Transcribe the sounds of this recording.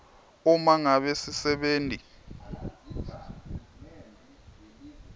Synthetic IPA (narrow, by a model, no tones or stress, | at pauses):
umaŋaɓesisɛɓeːntʼi